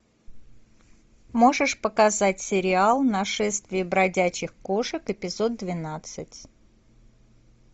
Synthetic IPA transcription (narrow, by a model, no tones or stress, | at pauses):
mo̞ʐɨʂpəkɐzatʲsʲɪɾʲɪalˠnɐʂɛst̪vʲɪːbɾɐdʲæt͡ɕɪxko̞ʂɨkɨpʲɪzo̞d̪̚d̪vʲɪnat̪sɨtʲ